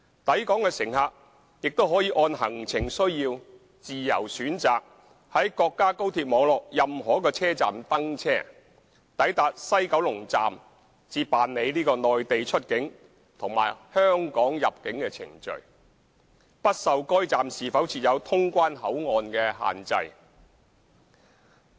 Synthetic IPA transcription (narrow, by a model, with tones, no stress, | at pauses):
t̪ɐ˨˥jkɔː˨˥ŋkɛː˧sɪ˨˩ŋhaː˧k̚ | jɪ˨k̚t̪o˥wɦɔː˨˥jiː˨˧ʔɔː˧nɦɐ˨˩ŋt͡sʰɪ˨˩ŋsɵ˥ɥjiː˧w | t͡siː˨jɐ̰˨˩wsyː˨˥nt͡saː˨k̚ | hɐ˨˥jkɔː˧kːaː˥ko˥wt̪ʰiː˧p̚mɔː˨˧˥ŋlɔː˨k̚jɐ˨mɦɔː˨˩kɔː˧t͡sʰɛː˥t͡sa̰ː˨mt̪ɐ˥ŋt͡sʰɛː˥ | t̪ɐ˨˥jt̪aː˨˧t̚sɐ˥jkɐ˨˥wlʊ˨˩ŋt͡sa̰ː˨m | t͡siː˧p̚paː˨nne˨˧jliː˥kɔː˧nɔː˨jt̪e˨jt͡ʃʰɵ˥t̚kɪ˨˥ŋ | t̪ʰʊ˨˩ŋma̰ː˨˩jhœː˥ŋkɔː˨˥ŋjɐ˨p̚kɪ˨˥ŋkɛː˧t͡sʰɪ̰˨˩ŋt͡ʃɵ̰˨ɥ | pɐ˥t̚sɐ˨wkɔː˥jt͡saː˨msiː˨fɐ˨˥wt͡sʰiː˨t̚jɐ˨˧wt̪ʰʊ˥ŋkʷaː˥nhɐ˨˥wŋɔː˨nkɛː˧ɦa̰ː˨nt͡sɐ̰˧j